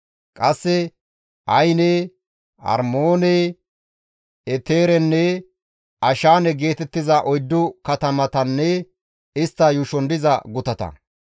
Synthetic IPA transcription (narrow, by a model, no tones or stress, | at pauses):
kʼɐsːɛ | ʔɐjnɛ | ɐ̰ɾmoːnɛ | ɛt̪eːɾɛnːɛ | ʔɐʃaːnɛɡe̞ːt̪ɛt̪ːɪzɐʔɔjd̪ːʊkɐt̪ɐmɐt̪ɐnːɛ | ɪst̪ːɐjʊʃɔnd̪ɪzɐɡʊt̪ɐt̪ɐ̰